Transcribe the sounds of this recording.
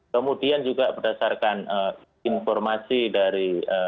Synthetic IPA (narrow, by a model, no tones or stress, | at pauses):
kəmudiand͡ʒuɡabərdasarkanə | infɔrmasidaɾiə